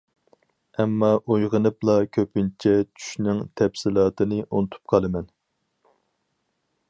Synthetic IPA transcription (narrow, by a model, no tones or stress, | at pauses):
ɛmːɑʔojʁənɨplˠɑkʲʰøpɪnt͡ʃʰɛt͡ʃʰy̥ʃnɪŋt̪ʰɛpsɪlˠɑːt̪ɨnɨʔunɨt̪ʰu̥p̚qʰɑlˠɨmɛn